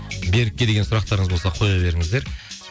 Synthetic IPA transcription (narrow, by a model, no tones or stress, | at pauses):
be̞ɾɪkʲːed̪e̞ɡʲensʊɾɑq̚t̪ɑɾəɴəzbo̞lsɑqʰo̞jɑbe̞ɾɪŋɪzd̪eɾ